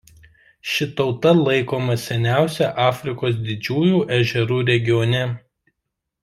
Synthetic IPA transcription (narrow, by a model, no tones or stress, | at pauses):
ʃʲɪt̪ɒʊt̪ɐlˠɐɪkoːmɐsʲɛnʲæˑʊsʲɛʔɑːfʲɾʲɪkoːs̬d̪ʲɪd͡ʒʲuːjuːʔɛʒʲɛɾuːɾʲɛɡʲɪjɔnʲɛ